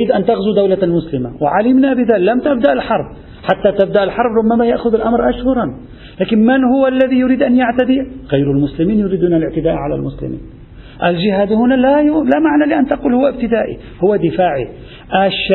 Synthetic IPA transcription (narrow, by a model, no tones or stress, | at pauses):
ɾiːd̪ʔant̪aɣzud̪awlalmʊslɪmawɪ̰ʕalɪmnabɪðaːlamt̪ab̚d̪aʔalħɑɾˤb | ħat̪ːat̪abd̪aʔalħɑɾˤbɾˤʊbːamajaʔxʊðalʔamɾʔaʃhʊɾˤɑn | laːkɪnmanhʊwalːaðijʊɾiːd̪ʔanjaʕt̪ad̪iɣajɾalmʊslɪmiːnjʊɾiːd̪unalɪʕt̪ɪd̪aːʔʕala̰lmʊslɪ̰mḭːn | ʔald͡ʒɪhaːd̪hʊnalalamaʕnalɪʔant̪aquːlhʊwːaɪb̚t̪ɪd̪aːʔḭ | hʊwːad̪ɪfaːʕḭ | ʔaʃ